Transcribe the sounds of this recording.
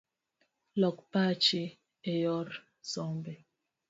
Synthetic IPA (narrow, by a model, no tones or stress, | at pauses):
lɔk̚pat͡ʃe | ejɔɾ | sɔmbe